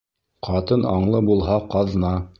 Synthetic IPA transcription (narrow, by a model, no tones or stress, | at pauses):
qɑt̪ɤnɑɴlˠɤbulˠɦɑqɑðnɑ